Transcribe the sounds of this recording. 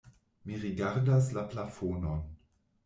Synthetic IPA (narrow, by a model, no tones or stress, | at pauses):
miɾiɡaɾdas̬laplafonon